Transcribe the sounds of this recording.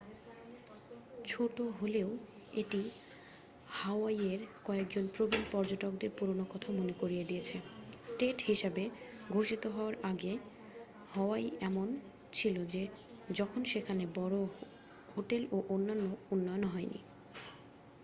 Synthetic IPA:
t͡ɕʰoʈoɦoleo | eʈi | haoajeɾkɔek̚d͡ʑonpɾobinpɔɾd͡ʑoʈok̚d̪eɾpuɾonokɔt̪ʰamonekoɾied̪ijet͡ɕʰesʈeʈhiʃabeɡʱoʃit̪oɦɔoaɾaɡe | hɔwajɛmon | t͡ɕʰilod͡ʑe | d͡ʑɔkʰonʃekʰanebɔɾo | hoʈeloʔonːanːounːɔjonɦɔenḭ

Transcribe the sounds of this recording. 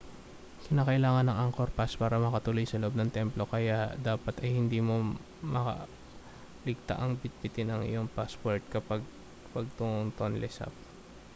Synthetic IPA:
kɪnaːkɐʔɪlaːŋɐnːɐŋʔaŋko̞ɾpaspaːɾɐmɐkɐt̪uːlojsɐloʔo̞b̚nɐŋt̪ɛmplo̞kɐjad̪aːpɐt̪ɐjhɪnd̪iːmo̞ | mɐkɐ̰ | lɪɡ̚t̪a̰ʔɐŋbɪt̪̚bɪt̪ɪnɐŋʔɪ̰joŋpaspoɹt̪̚kɐpaɡ̚ | pɐɡ̚t̪ʊŋoŋt̪onlɛsa̰p̚

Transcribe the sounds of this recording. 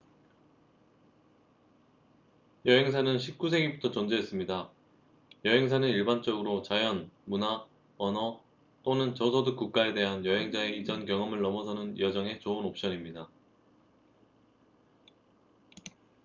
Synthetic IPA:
jʌɦe̞ŋsʰanɯnɕʰip̚k͈usʰe̞ɡibutʰʌt͡ɕʌnd͡ʑeɦːs͈ɯmɲida | jʌɦe̞ŋsʰanɯniɭbant͡ɕ͈ʌɡɯɾot͡ɕajʌnmuna | wʌnʌ | t͈onɯnt͡ɕʌsʰʌdɯk͈uk̚k͈ae̞de̞ɦanjʌɦe̞ŋd͡ʑae̞id͡ʑʌnkjʌŋʌmɯɭːʌmʌsʰʌnɯnjʌd͡ʑʌŋe̞t͡ɕoɯnop̚ɕ͈ʌɲimɲida

